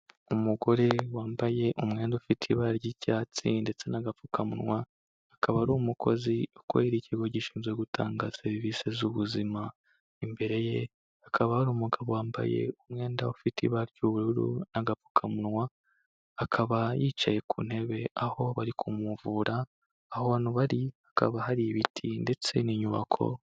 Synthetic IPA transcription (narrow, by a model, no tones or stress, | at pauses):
umuɡo̞ɾe̞waːmbaje̞ʔumŋe̞ːndaufitʰiβaɾɟicaːt͡sinde̞t͡se̞naɡafukʰamṵnwaː | kʰaβaɾumukʰo̞̰ziukwoiɾiciɡoɟiʃiːmnzɡweɡutʰa̰ːŋɡaseɾivise̞zuβuzima | imbe̞ɾe̞je̞ | akʰaβahaɾuːmuɡaβowaːmba̰je̞̰umŋe̞ːndaufitʰḭβaɾɟuβuɾuɾṵnaɡafu̥kʰamunwaː | kʰaβajiːt͡ʃaje̞kṵːn̥he̞βe̞aho̞βaɾikʰumuvuːɾaː | hoanuβaɾihaka̰βaɦaɾiβitʰinde̞t͡se̞niɲuβa̰kʰo̞̰